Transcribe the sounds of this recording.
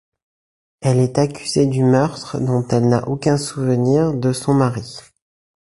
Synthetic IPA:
ɛlɛt̪akʲyzed̪ymœʁt̪χəd̪ɔ̃t̪ɛlna̰ʔokʲɛ̃suvəniʁd̪əsɔ̃maʁi

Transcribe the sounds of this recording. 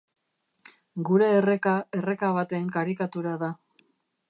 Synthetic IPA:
ɡuɾe̞ːre̞kae̞re̞kaβ̞at̪e̞ŋkaɾikat̪uɾaða

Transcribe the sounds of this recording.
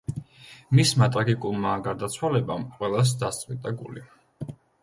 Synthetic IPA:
mismat̪ʼɾaɡikʼulˠmaɡaɾd̪at̪sʰwalɛbamqʼwɛlˠas̬d̪ast̪sʼit̪ʼaɡuli

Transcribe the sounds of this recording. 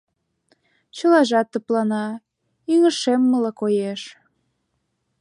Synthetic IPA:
t͡ɕəlɑʒɑt̪ːəplɑnɑ | yŋəʃemːəlɤkojeʃ

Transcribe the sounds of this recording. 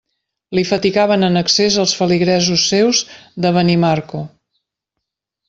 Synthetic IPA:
lifət̪iɣaβənənəksezəlˠsfəliɣɾɛzusːewzðəβənimaɾko

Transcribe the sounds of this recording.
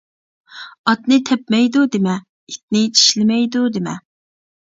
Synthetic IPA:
ɑt̪nɪt̪ʰɛpmɛjd̪ud̪emɛ | it̪̚nɪt͡ʃʰi̥ʃlɪmɛjd̪ud̪ɪmɛ

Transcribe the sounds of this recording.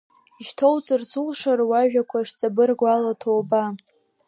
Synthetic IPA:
iʃtʰowt͡sʼɨrt͡sʰulʂarwaʒᶣakʷʰaʂt͡sʼabɨrɡʷalatʰowba

